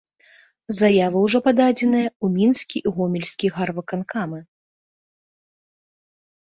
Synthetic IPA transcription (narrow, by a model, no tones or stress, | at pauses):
zajavɨwʐɔpad̪ad͡zʲɛn̪ɨjɐumʲinskʲiʔiɣɔmʲilʲsʲkʲiɣarvɐkankamɨ